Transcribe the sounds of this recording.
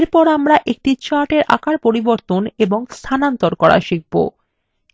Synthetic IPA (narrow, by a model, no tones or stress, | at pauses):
ɾpɔɾamɾaʔek̚ʈit͡ɕaʈeɾʔa̰kaɾpoɾiboɾt̪oneboŋst̪ʰanant̪oɾkɔɾa̰ʃiɡ̚bo̰